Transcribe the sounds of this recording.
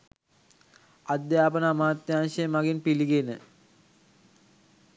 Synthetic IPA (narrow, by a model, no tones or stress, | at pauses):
ad̪jaːpənaːmaːt̪jaːnʃejmaɡinpiliɡenə